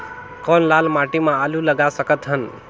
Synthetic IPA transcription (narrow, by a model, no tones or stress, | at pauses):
kɔnlalmaʈimãaluləɡasəkət̪ɦən